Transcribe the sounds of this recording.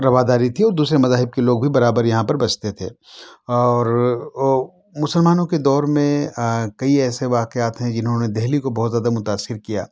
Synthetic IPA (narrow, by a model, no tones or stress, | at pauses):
ɾɐʋaːd̪aːɾit̪ʰiɔːɾd̪uːsɾemɐzaːɦɪb̚keloːɡ̚bʱibɐɾaːbəɾjɐɦãpɐɾbɐt͡ʃʰt̪et̪ʰḛːɔːɾ | mʊsəlmaːnõked̪ɔːɾmẽkɐiɛːseʋaːqeaːt̪ɦɛ̃d͡ʒɪnɦõned̪ɛɦlikobɔːt̪zjaːd̪amʊt̪aːsɪɾkija̰ː